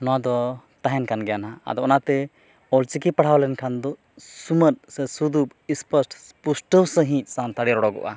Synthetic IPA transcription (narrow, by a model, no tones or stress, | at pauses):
nɔwad̪ɔ | t̪aɦɛnkanɡɛjanaa̰d̪ɔɔnat̪ɛ | ɔlt͡ʃikipaɽ̤awlɛnkʰand̪ɔ | sumət̪̚sɛsud̪up | ispəsʈpusʈəwsəɦĩc̚ˀsant̪aɽiɾɔɽɔɡɔ̰ʔa̰